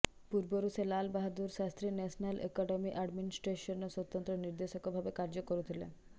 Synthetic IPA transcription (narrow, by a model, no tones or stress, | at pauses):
puɾboɾuselalbaɦad̪uɾʃast̪ɾinɛʃnalʔḛkɔɖemiʔaɖminisʈɾeʃonosot̪ːont̪ɾoniɾd̪eʃokobʱabekaɾd͡ʑokoɾut̪ʰilḛn